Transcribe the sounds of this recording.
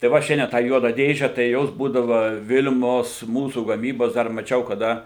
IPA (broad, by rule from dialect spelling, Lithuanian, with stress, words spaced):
tɐɪ ˈʋɐ ˈʃʲɛnʲdʲiɛn tɑː ˈjuɔdɑː ˈdʲeːʒʲɛ tɐɪ ˈjoːs ˈbuːdɐʋɐ ˈʋʲɪlʲmoːs ˈmuːsuː ɡɐˈmʲiːboːs ˈdɐr mɐˈt͡ʃʲɛʊ kɐˈdɐ